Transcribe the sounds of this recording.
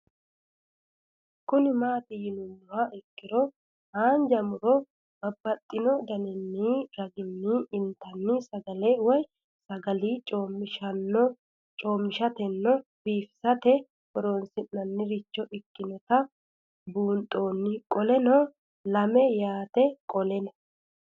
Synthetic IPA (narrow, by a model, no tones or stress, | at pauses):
kʊnɪmaːt̪ɪjɪnʊnːʊwaɪkːɪɾɔ | haːnd͡ʒɐmʊɾɔ | bɐbːɐt̪ʼːɪnɔd̪ɐnɪnːiːɾɐɡɪnːɪːnt̪ɐnːɪsɐɡɐlɛwɔj | sɐɡɐliːt͡ʃʼoːmɪʃɐnːɔ | t͡ʃʼoːmːɪʃɐt̪ɛnːɔb̥iːfɪ̥sɐt̪ɛ | bɔɾonsɪnːɐnːɪɾɪt͡ʃːɔʔɪkːɪnɔt̪ɐ | buːnt̪ʼo̞ːnːɪkʼɔlɛnɔ | lɐmɛjaːt̪ɛkʼɔlɛnɐ̥